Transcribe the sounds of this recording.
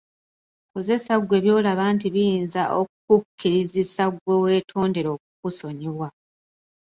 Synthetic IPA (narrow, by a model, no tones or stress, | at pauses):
koze̞saɡwe̞ːβjo̞ːlaβaːntiβijiːnzaʔok̚ukukʰːiɾizisaɡwe̞we̞ːtʰo̞ːnde̞ɾo̞ːk̚ukuso̞ɲiβwa